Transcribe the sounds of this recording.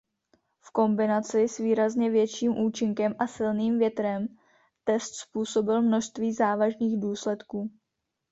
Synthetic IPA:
fko̞mbɪnat͡sɪsviːɾazɲɛvjɛt͡ʃiːmʔuːt͡ʃɪŋkɛmʔasɪlniːmvjɛt̪ɾɛm | t̪ɛst̪spuːso̞bɪlmno̞ʃst̪viːzaːvaʒniːɣduːslɛt̪kuː

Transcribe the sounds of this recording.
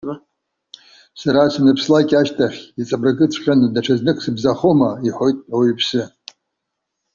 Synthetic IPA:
saɾasanɨpʰslakʲʼaʃtʼʰaχʲit͡sʼabraɡʼɨt͡sʷʰχʲʼanɨdaʈ͡ʂʰaznɨkʷʰʼsɨbzaχomaiħʷo̞jtʼawipʰsɨ

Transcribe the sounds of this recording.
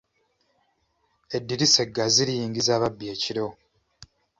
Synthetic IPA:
e̞dːiɾise̞ɡːaziɾijiːŋɟizaːβabːje̞ːciɾo̞

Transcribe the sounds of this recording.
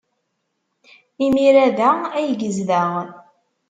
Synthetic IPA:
imiɾæðææjɡəzðæʁ

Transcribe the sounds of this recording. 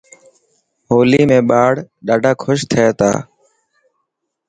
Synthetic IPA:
ɦoːliːmẽːɓaːɽɗaːɖʱaːkʰʊʃt̪ʰəeːt̪a̰ː

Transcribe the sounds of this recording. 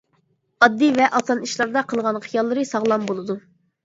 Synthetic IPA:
ɑd̪ːivɛʔɑsɑniʃlˠɑɾd̪ɑqʰəlˠʁɑnχijɑlˠːɨɾɨsɑʁlˠɑmbolˠɨd̪u

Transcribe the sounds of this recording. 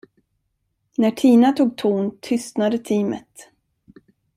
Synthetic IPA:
næʈʰiːnat̪ʰuːɡ̚t̪ʰuːnt̪ʰʏst̪nad̪ət̪ʰiːmə̰t̪

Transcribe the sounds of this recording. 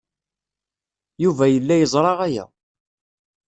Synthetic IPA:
juvæjəlːæjəzˤɾˤɑʁæjæ̰

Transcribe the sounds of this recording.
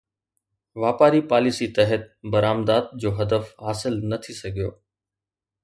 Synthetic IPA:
ʋaːpaːɾipaːlɪsit̪ɛɦət̪̚bɐɾaːmd̪aːd̪̚d͡ʑoːɦɐd̪əfɦaːsɪlnɐt̪ʰisɐɡʱijo̰ː

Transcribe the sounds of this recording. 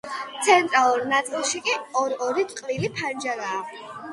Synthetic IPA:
t̪sʰɛnt̪ʼɾalˠuɾnat̪sʼilˠʃikʼiɔɾɔɾit̪ʼqʼlilipʰand͡ʒaɾaː

